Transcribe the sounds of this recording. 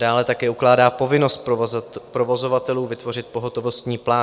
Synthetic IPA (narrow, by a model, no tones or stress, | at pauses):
daːlɛt̪akɛːuklaːdaːpo̞vɪno̞st̪̚pɾovo̞zo̞vat̪ɛluːvɪt̪vo̞r̝ɪt̪̚po̞ɦo̞t̪o̞vo̞st̪ɲiːplaː